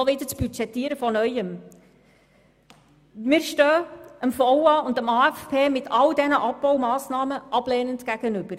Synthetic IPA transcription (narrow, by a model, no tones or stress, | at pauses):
ɔʋidət͡sb̥yt͡ʃɛtːiːɾəfɔnœʏəm | mɪːɾʃtøːəmfɔʊɑʊndəmɑːɛfpʰeːmɪtʰɑldɛnəʔɑpbɔwmɑːsnɑːməʔɑb̥leːnəndɡ̥æɡ̥ənʏb̥əɾ